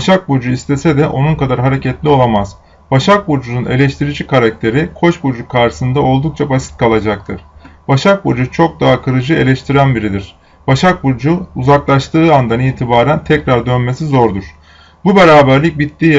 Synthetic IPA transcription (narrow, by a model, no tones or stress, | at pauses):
baʃak̚bud͡ʒuist̪ʰe̞sɛd̪ɛʔo̞nunkad̪aɾɦaɾe̞cʰɛt̪lʲio̞lˠamaz̥ | baʃak̚buɾd͡ʒunune̞lʲɛʃt̪ʰiɾid͡ʒikʰaɾak̚t̪ʰe̞ɾikʰo̞t͡ʃbud͡ʒukʰaɾʃɯ̥sɯnd̪ao̞lˠd̪uk̚t͡ʃʰabasi̥t̪̚kʰalˠad͡ʒak̚t̪ʰɯɾ̥baʃak̚bud͡ʒut͡ʃʰo̞k̚d̪aɦakʰɯɾɯd͡ʒɯe̞lʲɛʃt̪ʰiɾænbiɾid̪iɾ̥ | b̥aʃak̚buɾd͡ʒuuzaklˠaʃt̪ʰɯːand̪aniːt̪ʰibaːɾænt̪ʰɛcɾaɾd̪ø̞nme̞sizo̞ɾd̪uɾ̥ | bube̞ɾaːbæɾlʲic̚bit̪ːiː